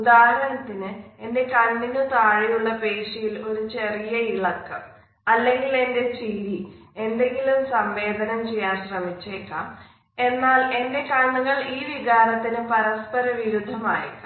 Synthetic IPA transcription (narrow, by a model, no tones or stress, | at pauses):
ud̪aːɾɐnɐt̪ːinɨe̞nde̞kɐnːinɨt̪aːɻijuɭːɐpe̞ːʂijilo̞ɾut͡ɕe̞rijɐiɭɐkːɐm | ɐlːe̞ŋɡile̞nde̞t͡ɕilːie̞nd̪e̞ŋɡilumsɐmʋe̞ːd̪ʱɐnɐmt͡ɕe̞jːaːnɕrɐmit͡ɕːeːkːɐm | e̞nːaːle̞nde̞kɐɳːuŋːɐɭiːʋiɣaːɾɐt̪ːinɨpɐɾɐspɐɾɐʋiɾud̪ʱːɐmaːjḭkːɐ